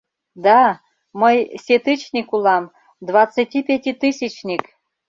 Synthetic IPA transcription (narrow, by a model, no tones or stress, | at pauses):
d̪ɑ | məjsʲet̪ɨt͡ɕnʲikulɑm | d̪vɑt͡sɨtʲipʲetʲit̪ɨsʲit͡ɕnʲik